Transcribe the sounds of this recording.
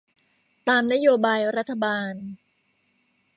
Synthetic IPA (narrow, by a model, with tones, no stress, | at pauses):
t̪aː˧mna˥joː˧baː˧jɾa˦˥t̪ʰːa˧baː˧n